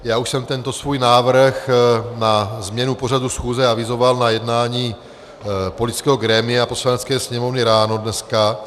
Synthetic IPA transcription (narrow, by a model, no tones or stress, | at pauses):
jaːuʃsɛmt̪ɛnt̪o̞svuːjnaːvr̩xnazmɲɛnuporadusxuːzɛavɪzo̞valnajɛdnaːɲiː | po̞lɪtt͡skɛːɦo̞ɡɾɛːmɪaapo̞slanɛt͡skɛːsɲɛmo̞vnɪɾaːnodnɛska